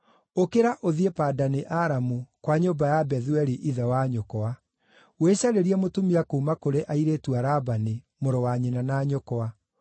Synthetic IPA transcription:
okeɾaʔoðiepaːdaneʔaɾamukwaɲoːbajabɛðwɛɾiʔiðawaɲɔkɔa | weɕaɾeɾiɛmotumiakoːmakoɾeʔaiɾeːtuaɾabane | moɾɔwaɲenanaːɲɔkɔa

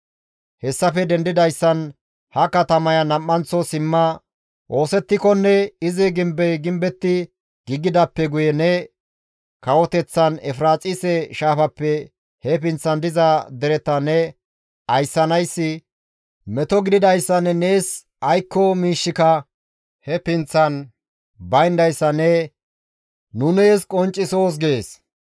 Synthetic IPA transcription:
hɛsːɐfɛd̪ɛnd̪ɪd̪ɐjsːɐn | hɐkɐt̪ɐmɐjɐnɐmːɐnt͡sɔsɪmːɐ | ʔo̞ːsɛt̪ːɪkɔnːɛɪzɪɡɪmbɛjɡɪmbɛt̪ːɪ | ɡ̥ɪɡɪd̪ɐpːɛɡʊjɛnɛ | kɐwɔt̪ɛt͡sːɐnɛfɾaːt͡sʼɪsɛʃaːfɐpːɛ | hɛpɪnt͡sːɐnd̪ɪzɐd̪ɛɾɛt̪ɐnɛ | ɐjsːɐnɐjsːɪ | mɛt̪ɔɡɪd̪ɪd̪ɐjsːɐnːɛneːs | ɐjkːɔmiːʃːɪkɐ | hɛpɪnt͡sːɐn | bɐjnd̪ɐjsːɐnɛ | nʊneːskʼɔnt͡ʃʼːɪso̞ːs̬ɡeeːs

